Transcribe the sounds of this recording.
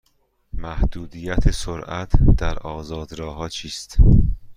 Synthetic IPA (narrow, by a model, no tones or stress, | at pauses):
mæhd̪̥uːd̪ijæt̪ʰesoɾʔæt̪ʰd̪̥æɾɒːzɒːd̪ɾɒːhɒːt͡ʃʰiːst̪